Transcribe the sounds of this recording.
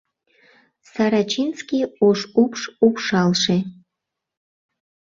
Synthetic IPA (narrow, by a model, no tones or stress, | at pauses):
saɾat͡ʃʰinskʲioʃupʂupʂɑlʂe